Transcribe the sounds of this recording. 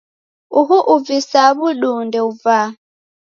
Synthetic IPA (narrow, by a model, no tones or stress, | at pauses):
uɦuʔuvisaβuɗundɛuva